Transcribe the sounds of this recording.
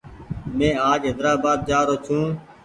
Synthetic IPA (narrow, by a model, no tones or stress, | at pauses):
mẽːaːd͡ʒɦɪd̪ɾaːbaːd̪̚d͡ʒaːɾoːt͡ʃʰũː